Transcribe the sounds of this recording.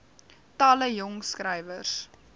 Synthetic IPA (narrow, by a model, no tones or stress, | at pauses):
tɑːləjɔŋskrɛjvərs